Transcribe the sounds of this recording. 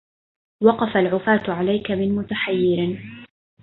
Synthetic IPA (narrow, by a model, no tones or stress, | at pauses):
wɑqɑfalʕʊfaːt̪ʕalajkamɪnmʊt̪aħajːɪɾɪ